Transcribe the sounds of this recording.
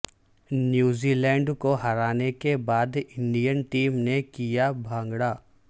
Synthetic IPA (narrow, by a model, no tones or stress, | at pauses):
njuːziːlɛ̃ːɳɖkoɦɐɾaːnekebaːd̪ɪ̃ɳɖijənʈiːmnekijabʱãːŋɡɽaː